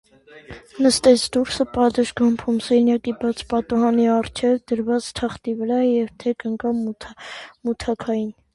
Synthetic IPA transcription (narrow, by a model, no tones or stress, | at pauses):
nəst̪ɛt͡sʰd̪uɾsəpɑd̪əʃɡɑmpʰumsɛnjɑkibɑt͡sʰpɑt̪uɦɑniɑrt͡ʃʰɛvd̪əɾvɑt͡st̪ʰɑχt̪ivəɾɑjɛvt̪ʰɛkəŋkɑ | mut̪ʰɑkʰɑjin